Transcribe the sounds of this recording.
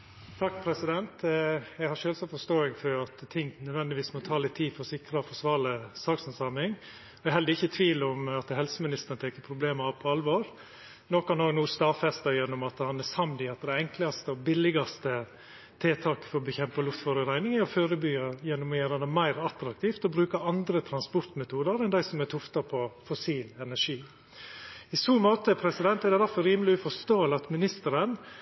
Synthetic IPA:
t̪ʰɑkːpʰɾɛsɪd̪ɛnt̪jæɡhɑʂøːlsɑfɔʂt̪oːɪŋfɔɾɑt̪t̪ʰɪŋnœd̪ʋɛnd̪ɪʋiːsmɔt̪ʰɑːlɪt̪ʰːiːd̪fɔɾɔsɪkɾɑɔfɔʂʋɑːləsɑːksənsɑmɪŋ | ɔɛhɛld̪əɾɪçːət̪ʰʋiːlɔmɑt̪hɛlsəmɪnɪst̪ənət̪ʰeːkːəpʰɾʊbleːməɑpʰɔɑlʋoːɾ | noːkɑnoːɡnuːst̪ɑːfɛst̪ɑjɛnːɔmɑt̪hɑnæsɑmd̪ɪɑt̪d̪ɛɛŋklɑst̪əɔbɪlːɪɡɑst̪ə | t̪ʰɪt̪ʰɑːkə̥fɔɾɔbəçɛmpɑlʊft̪foɾəɾæɪnɪŋəɔføːɾəbyːɑjɛnːʊmeːɾɑd̪əmæɪɾɑt̪ɾɑk̚t̪ʰiːft̪ɔbɾʉːkəɑnd̪ɾət̪ʰɾɑnspɔɾt̪mɛt̪ʰuːd̪əɾɛnd̪æɪsɔmɛt̪ʰʊft̪ɑpʰɔfʊsiːlɛnæʂiː | ɪsuːmoːt̪əpʰɾɛsɪd̪ɛnt̪æɾd̪ɛd̪æɾfɔɾɾiːməlɪʉfɔʂt̪oːɛlɑt̪mɪnɪst̪əɾən

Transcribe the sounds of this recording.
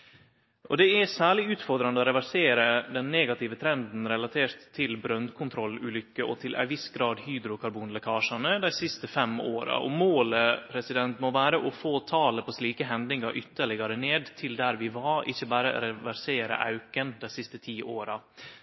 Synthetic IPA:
ʔɔd̪ɛæsæːɭɪʉːt̪fɔɾd̪ɾɑnəɔɾɛʋæɾseːɾəd̪ɛnːeːɡɑt̪ɪʋət̪ʰɾɛnd̪n̩ɾɛlɑt̪ʰeːɾt̪ʰːɪlbɾœnd̪kʰʊnt̪ʰɾɔlːʉːlʏkːəʔɔt̪ʰɪlʔæ̰ɪʋɪsɡɾɑːd̪hyːd̪ɾʊkʰɑɾbuːnlɛkʰɑːʂɑnəd̪æɪsɪst̪əfɛmoːɾɑ̰ʔɔ̰moːləpʰɾɛsɪd̪ɛnt̪mɔʋæːɾəʔɔfoːt̪ʰɑːləpʰɔsliːkəɦɛnd̪nɪŋɑɾʔʏt̪ːəɭɪɡɑɾəneːd̪t̪ʰɪld̪æɾʋɪʋɑɾɪ̰çːəbæːɾə̰ɾɛʋæɾseːɾə̰ʔɑ̰ʉkənd̪æɪsɪst̪ət̪ʰiːʔoːɾɑ

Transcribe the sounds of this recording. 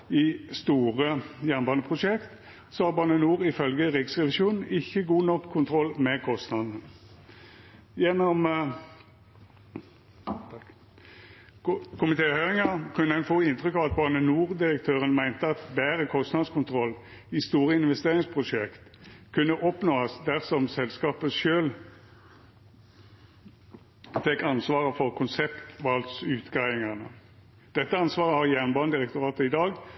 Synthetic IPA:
ɪst̪uːʁəjæʁnbɑːnəpʰʁʊʂɛkt̪ | sɔhɑʁbɑʁnənuːʁɪfœlɡəʁɪksʁɛʋɪʃuːnn̩ɪçːəɡuːnɔkʰːʊnt̪ʰʁɔlːmɛkʰɔst̪nɑd̪nə | jɛnːɔm | kʰʊmɪt̪ʰeːhøʏʁɪŋɑkʰʉnːəɛnfoːɪnt̪ʁʏkɑːʋɑt̪̚bɑʁnənuːʁd̪ɪʁəkt̪ʰøːʁənmæɪnt̪əɑt̪bæːʁəkʰɔst̪nɑd̪skʰʊnt̪ʰʁɔlː | ist̪uːʁəɪnʋɛst̪eːʁɪŋspʰʁʊʂɛkt̪kʰʉnːəʔɔpnoːɑsd̪æʁsɔmsɛlskɑːpəʃøːl | fɛkɑnsʋɑːʁəfɔʁkʰʊnsɛpt̪ʋɑlt̪sʉːt̪ɡʁæɪɪŋɑnə | d̪̥ɛt̪ːəɑnsʋɑːʁəhɑʁjæʁnbɑnəd̪ɪʁɛk̚t̪ʊʁɑːt̪əɪd̪ɑːɡ

